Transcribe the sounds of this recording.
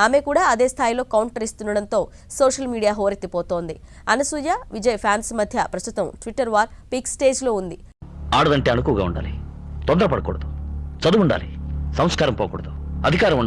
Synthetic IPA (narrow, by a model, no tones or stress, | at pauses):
aːme̞kuːɽaːɐd̪e̞ːst̪ʰaːjilo̞ːkɐwɳʈɐɾist̪unːɐɽɐnt̪o̞ː | soːʂɐlmiːɽijaːɦoːɾit̪ːipoːt̪oːnd̪i | ɐnɐsuːjaːʋid͡ʒɐjpʰjaːnsmɐd̪ʱjɐpɾɐst̪u̥t̪ɐmʈʋiʈːɐɾʋaːɾpiksʈe̞ːd͡ʒlo̞ːund̪i | aːɽɐd̪ɐɳʈeːɐnukuːɡaːuɳɖa̰ːlit̪ɔnd̪ɐɾɐpɐɽɐkɔːɽɐd̪u̥t͡ʃɐd̪uʋuɳɖa̰ːlisɐmskaːɾɐmpɔːkɔ̰ːɽɐd̪uɐd̪ʱikaːɾɐmuɳɖ